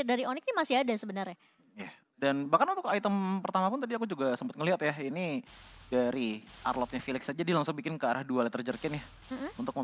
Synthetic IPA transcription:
daɾionɪkɲamasɪadasəbənərɲa | ja | danbahkanunt̪ʊkait̪əmpərt̪amapʊnt̪adiakud͡ʒuɡasəmpət̪̚ŋəliɦat̪jainidaɾiʔa̰rlɔt̪̚ɲafilɪksad͡ʒadilaŋsʊk̚bikɪnkəaɾahdualat̪ərd͡ʒərkɪnjah̩ | unt̪ʊk̚mə

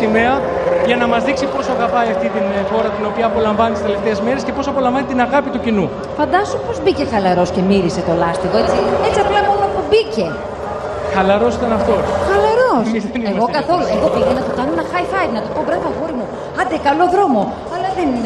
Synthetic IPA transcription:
imeɐ | ʝɐnɐmɐzðiksipo̞sɐɣɐpɐiɐft̪it̪inxo̞ɾɐt̪ino̞piɐːpo̞lɐɱvɐnit̪sele̞ft̪e̞ezme̞ɾe̞sce̞po̞sɐpo̞lɐɱvɐnit̪inɐɣɐpit̪ucinu | fɐnd̪ɐsupo̞zbice̞xɐlɐɾo̞sce̞miɾise̞t̪o̞lɐst̪iðoet͡siet͡ssiɐplɐmo̞nopubice̞ | xɐlɐɾo̞sit̪ɐnɐft̪o̞xɐlɐɾo̞sizeneɣo̞kɐθo̞lueɣopiʝenɐt̪okɐnoenɐxɐjfɐjvnɐt̪opo̞bɾɐvɐɣoɾimu | ɐnd̪ekɐlo̞ðɾo̞mo̞ | ɐlɐðen

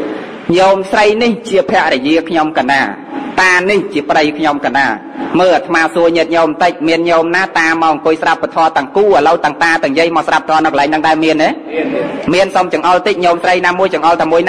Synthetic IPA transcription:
ɲoːmsrəjniht͡ɕiəpʰɛ̆əʔrɛjiəkʰɲomkanaː | t̪aːniht͡ɕiəprəjkʰɲomkanaː | məːlʔat̪ʰmaːsuəɲɛt̪̚ɲoːmt̪əc̚miənɲoːmnaːt̪aːmaɔʔŋkʊəjsrapːat̪ʰɔət̪ɛ̆əŋkuːʔəːləwt̪aəŋt̪aːt̪ɨ̆əŋjəjmɔːsrap̚t̪ʰɔːnɨwkəlaɛŋnɗɨŋɗaɛlmiəneː | miənsomt͡ɕɑəŋʔɑlt̪ic̚ɲoːmsrəjnaːmuəjt͡ɕɑ̆ŋʔɑlt̪aːmuəjn

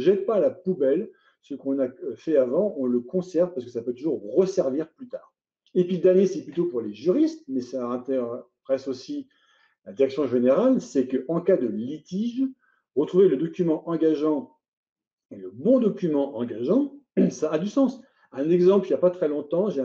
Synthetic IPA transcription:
ʒɛt̪̚palapubɛl | səkɔ̃nafɛavɑ̃ɔ̃ləkɔ̃sɛʁvpaʁsəkə̥sapøt̪uʒuʁːəsɛʁviʁplyt̪aːʁ | epɥid̪ɛʁnjesɛplyt̪opuʁleʒyʁist̪mɛsaɛ̃t̪ɛ | ʁɛsosi | lad̪iʁɛksjɔ̃ʒeneʁalsɛkəʔɑ̃kad̪əlit̪iʒ | ʁət̪χuveləd̪ɔkʲymɑ̃ʔɑ̃ɡaʒɑ̃ | eləbɔ̃d̪ɔkʲymɑ̃ʔɑ̃ɡaʒɑ̃saːd̪ysɑ̃s | ɛ̃nɛɡzɑ̃pləiapat̪χɛlɔ̃t̪ɑ̃ʒẽ

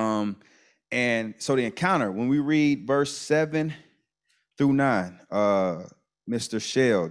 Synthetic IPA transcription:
ʌ̃m | ɨ̃nsoʊðiɨ̃nkʰãʊ̃ɾ̃ə˞wə̃nwiɹidvɜ˞sɛvɨ̃n | θɹunãɪ̃nʌ | mɪstə˞ʃeɪlˠ

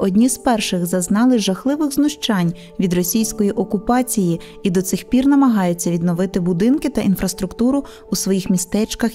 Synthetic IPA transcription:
ɔdʲnʲizpɛrʃɪɣzɐznɑlˠɪʒɐxlˠɪʋɪɣznʊʃt͡ʃɑnʲ | ʋʲid̪rɔsʲijsʲkɔjiʔɔkʊpɑt͡sʲiji | id̪ɔt̪sɪxpʲirnɐmɐɦɑjʊt͡sʲːɐʋʲid̪nɔʋɪt̪ɪbʊd̪ɪnkɪt̪ɐʔinfɾɐst̪ɾʊkt̪uɾʊː | sʋɔjixmʲist̪ɛt͡ʃkɐx

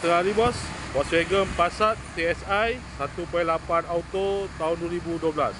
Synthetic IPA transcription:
t̪əŋaɾibɔs | wɔsweɡəmpasat̪ːeɛsajsat̪upajlapanawt̪ot̪aɦʊnduəɾibuduəbla̰s

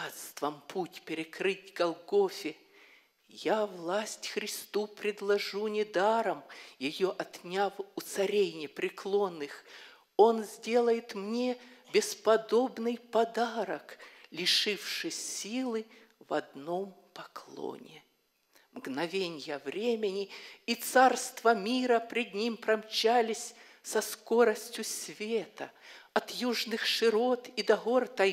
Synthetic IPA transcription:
at̪st̪vəmpʰutʲpʲɪɾʲɪkɾɨtʲɡɐlˠɡofʲɪ | javlˠasʲtʲxɾʲɪst̪upɾʲɪd̪lˠɐʐunʲɪd̪aɾəmjɪjoʔɐt̪nʲafʊt̪sɐɾʲejnʲɪpɾʲɪklˠo̞nːɨx | o̞nzʲdʲe̞lˠəjɪt̪mnʲebʲɪspɐd̪o̞bnɨjpɐd̪aɾəklʲɪʂɨfʂɨsʲilˠɨvɐ̰d̪no̞mpɐklˠo̰nʲɪ | mɡnɐvʲenʲjəvɾʲemʲɪnʲɪit̪sarst̪vɐmʲiɾəpɾʲɪd̪̚ʲnʲimpɾɐmt͡ɕalʲɪsʲ | sɐsko̞ɾəsʲtʲjʊsʲvʲet̪ɐɐt̪juʐnɨxʂɨɾot̪id̪ɐɣort̪ɐ

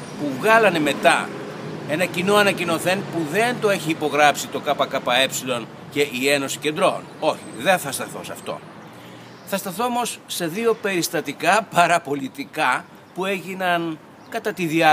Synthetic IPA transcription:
puvɣɐlɐne̞me̞t̪ɐ | e̞nɐcino̞ɐnɐcino̞θe̞npuðe̞nt̪o̞e̞çiːpo̞ɣɾɐpsit̪o̞kɐpɐkɐpɐe̞psilo̞n | ce̞ʔie̞no̞si̥ce̞nd̪ɾo̞̰no̞çiðe̞nθɐst̪ɐθo̞̰sɐ̰ft̪o̞̰ | θɐst̪ɐθo̞omo̞sːe̞ðio̞pe̞ɾist̪ɐt̪ikɐpɐɾɐpo̞lit̪ikɐ | pue̞ʝinɐn | kɐt̪ɐt̪iðiɐ

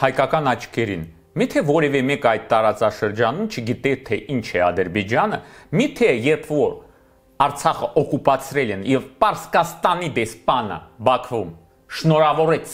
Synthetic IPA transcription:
hɑjkɑkɑnɑt͡ʃʰkɛɾḭn | mit̪ʰɛvɔɾɛvɛmɛkɑjd̪̚t̪ːɑɾɑt͡sɑʃəɾd͡ʒɑnumt͡ʃʰəɡit̪ɛt̪ʰɛʔint͡ʃʰɛɑd̪əɾbɛd͡ʒɑnə̰mit̪ʰɛjɛɾpʰvɔɾ | ɑɾt͡sʰɑχəʔɔkupɑt͡sʰɾɛlɛnjɛvpɑɾskɑst̪ɑnid̪ɛspɑnə̰bɑkʰvum | ʃnɔɾɑvɔɾɛt͡sʰ

